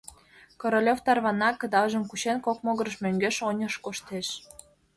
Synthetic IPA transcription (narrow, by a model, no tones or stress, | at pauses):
koɾolʲoft̪ɑrβɑnɑkɤ̆d̪ɑlʒə̆mkut͡ɕenkok̚moɣɤ̆ɾəʃmøŋɡeʃonʲəʃkoʃt̪eʃ